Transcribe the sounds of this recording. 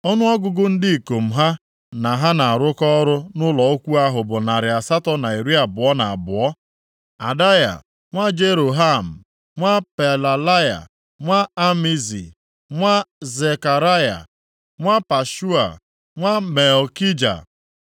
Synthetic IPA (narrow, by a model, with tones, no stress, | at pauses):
ɔ˦nʊ˦ɔ˦ɡʊ˨ɡʊ˦n̩˦dɪ˦i˨ko˨m̩˨ɦa˦ | na˨ɦa˦na˨a˨ɾʊ˦kɔ˦ɾʊ˦nʊ˦lɔ˨o˦kʷu˦a˦ɦʊ˨bʊ˨na˨ɾɪ˨a˨sa˦tɔ˦na˨i˨ɾi˦a˨bʊ˨ɔ˦na˨a˨bʊ˨ɔ˦ | a˨da˦ja̰˨ | ŋʷa˦d͡ʒe˦ɾo˨ɦa˦m̩˨ | ŋʷa˦pe˨la˨la˦ja̰˨ | ŋʷa˦a˦mi˦zḭ˨ | ŋʷa˦ze˨ka˨ɾa˦ja̰˨ | ŋʷa˦pa˨ʃu˦a̰˨ | ŋʷa˦me˨lki˦d͡ʒa̰˨